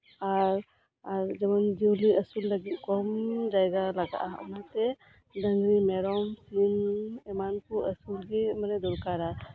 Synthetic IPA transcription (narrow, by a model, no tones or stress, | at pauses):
aɾ | aɾd͡ʒɛmand͡ʒiwliʔəsulːəɡit̪̚ˀkɔmd͡ʒajɡalaɡa̰ʔa̰nat̪ɛ | d̪əŋɡɾimɛɾɔmslimɛmankuəsulɡimənɛd̪ɔɾkaɾa